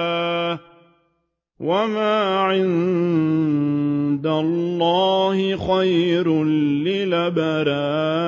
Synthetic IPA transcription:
aː | wamaːʕɪn | d̪allˤːɑːhɪxajɾlɪlabaɾaː

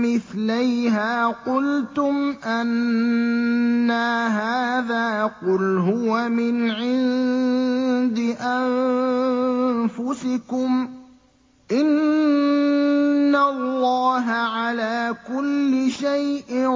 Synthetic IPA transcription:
mɪθlajɦaːqʊlt̪ʊmʔan | aɦaːðaːqʊlɦʊwamɪnʕɪn | d̪ɪʔan | fʊsɪkʊm | ʔɪn | alːɑːɦaʕalaːkʊlːɪʃajʔɪ

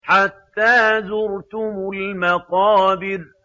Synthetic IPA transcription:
ħat̪ːaːzʊɾt̪ʊmʊlmɑqɑːbɪɾ

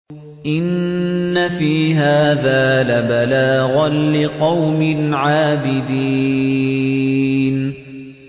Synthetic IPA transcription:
ʔɪnːafiːɦaːðaːlabalaːɣanlɪqɑwmɪnʕaːbɪd̪iː | n

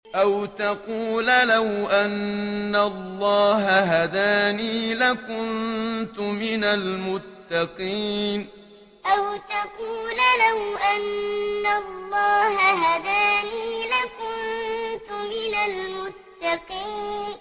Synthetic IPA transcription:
ʔawt̪ɑquːlalawʔanːalːɑːɦaɦad̪aːniːlakʊnt̪ʊmɪnalmʊt̪ːɑqiːn | ʔawt̪ɑquːlalawʔanːalˤːɑːhaɦad̪aːniːlakʊnt̪ʊmɪnalmʊt̪ːɑqiːnn

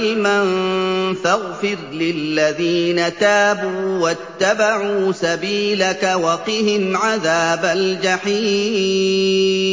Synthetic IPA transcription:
lmanfaɣfɪɾlɪlːaðiːnat̪aːbuːwat̪ːabaʕuːsabiːlakawɑqɪhɪmʕaðaːbald͡ʒaħiː

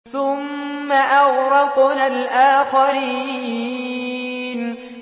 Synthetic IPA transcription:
θʊmːaʔɑɣɾɑqnalʔaːxaɾiː | n

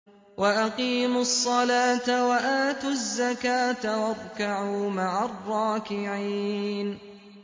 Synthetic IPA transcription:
waʔaqiːmʊsˤːɑlaːt̪awaʔaːt̪ʊzːakaːt̪awɑɾˤkaʕuuːmaʕarˤːɑːkɪʕiːn

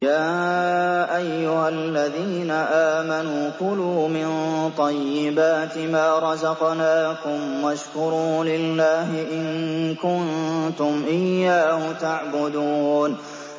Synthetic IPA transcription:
jaː | ʔajːʊhalːaðiːnaʔaːmanuːqʊluːmɪnt̪ˤɑjːɪbaːt̪ɪmaːɾˤɑzɑqnaːkʊmwaʃkʊɾuːlɪlːaːɦɪʔɪnkʊnt̪ʊmʔɪjːaːhʊt̪aʕbʊd̪uːn

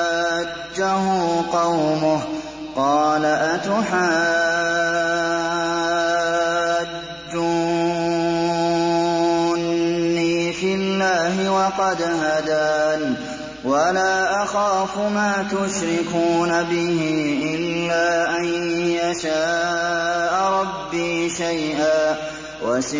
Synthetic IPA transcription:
d͡ʒːaɦuːqɑwmʊh | qɑːlaʔat̪ʊħaː | d͡ʒːʊ | nːiːfɪlːaːɦɪwɑqɑd̪ɦad̪aːn | walaːʔaxaːfʊmaːt̪ʊʃɾɪkuːnabɪhɪʔɪllːaːʔanjaʃaː | ʔɾˤɑbːiːʃajʔaː | was

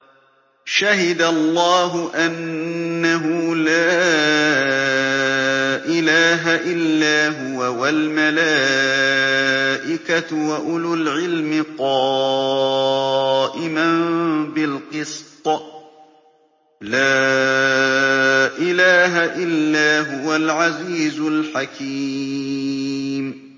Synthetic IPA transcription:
ʃaɦɪd̪alˤːɑːɦʊʔanːaɦʊlaː | ʔɪlaːɦaʔɪlːaːɦʊwawalmalaː | ʔɪkat̪waʔʊlʊlʕɪlmɪqɑː | ʔɪmambɪlqɨst̪ˤ | laː | ʔɪlaːɦaʔɪlːaːɦʊwalʕaziːzʊlħakiː | m

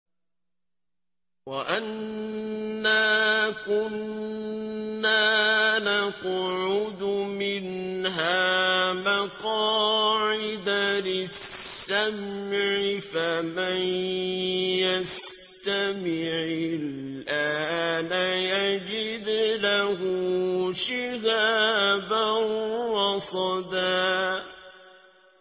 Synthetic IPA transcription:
waʔanː | aːkʊn | aːnaqʕʊd̪ʊmɪnɦaːmaqɑːʕɪd̪alɪsːamʕɪfaman | jas | t̪amɪʕɪl | ʔaːnajad͡ʒɪd̪lahʊʃɪhaːbanːɑsˤɑd̪aː

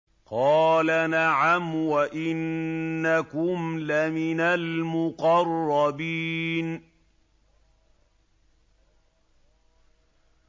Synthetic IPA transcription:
qɑːlanaʕamwaʔɪnːakʊmlamɪnalmʊqɑrˤːɑbiːn

